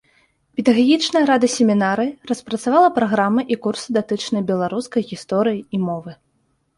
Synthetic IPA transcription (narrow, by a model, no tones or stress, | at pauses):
pʲɛd̪ɐɣaɣʲit͡ʂnɐjɐɾad̪ɐsʲemʲinaɾɨrɐspɾɐt̪savalˠɐpɾaɣɾamɨʔikursɨd̪at̪ɨt͡ʂnɐjbʲɛlˠaɾuskɐjɣʲist̪ɔɾɨjiimɔvɨ